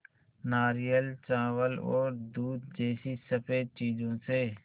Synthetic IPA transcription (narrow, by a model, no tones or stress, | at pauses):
naːɾijəlt͡ʃaːʋəlɔ̰ːɾd̪uːd̪̚d͡ʒeːsisəpeːt͡ʃiːzõseː